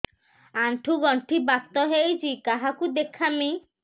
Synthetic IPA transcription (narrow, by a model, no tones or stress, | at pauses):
aɳʈʰuɡɔɳʈʰibast̪ɔɦejt͡ʃʰikaɦakud̪ekʰami